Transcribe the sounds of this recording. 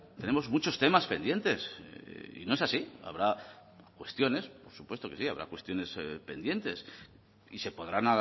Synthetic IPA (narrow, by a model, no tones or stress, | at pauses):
t̪e̞ne̞mo̞zmut͡ʃo̞st̪emaspe̞nd̪je̞nt̪e̞s | ḭnoe̞sasia̰β̞ɾa | kwe̞st̪jo̞ne̞spo̞ɾsupwe̞st̪oke̞sia̰βɾa̰kwe̞st̪jo̞ne̞spe̞̰nd̪je̞nt̪e̞s | ise̞po̞ðɾana